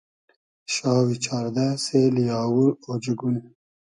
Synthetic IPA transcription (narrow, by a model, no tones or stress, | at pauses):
ʃɑːwit͡ʃʰaːɾd̪aselijɑːwuɾod͡ʒeɡun